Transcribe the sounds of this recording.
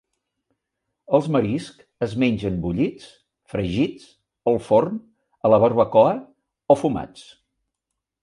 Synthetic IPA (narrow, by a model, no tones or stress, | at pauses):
əlˠzməɾisk | əzmeɲʲʒənbuʎit͡s | fɾəʒit͡s | əlˠforn | ələβəɾβəkɔə | ɔfuma̰t͡s